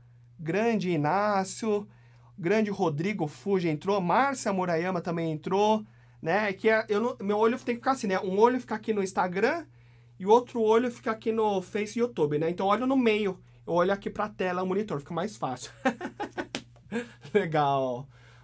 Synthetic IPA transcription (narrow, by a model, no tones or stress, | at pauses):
ɡɾɐ̃d͡ʒɪːnasʊ | ɡɾɐ̃d͡ʒɪhod̪ɾiɡʊfuʒɐẽnt̪ɾomaɾsɐmoɾajɐ̃mɐt̪ɐ̃mbẽj̃ẽnt̪ɾo | nɛɛkɪɛʔewñmewoʎʊt̪ẽj̃kɪfi̥kasĩnɛʔũoʎʊfi̥kɐakinʊĩst̪aɡɾɐ̃ | ɪʊowt̪ɾʊoʎʊfi̥kɐakinʊfejsut̪ubɪnɛẽt̪ɐ̃w̃ɔlʎʊnʊmejʊ | ewɔʎʊakipɾɐt̪ɛlɐʊmõnit̪oɾfi̥kɐmajsfasɪʊ̥ | leɡaw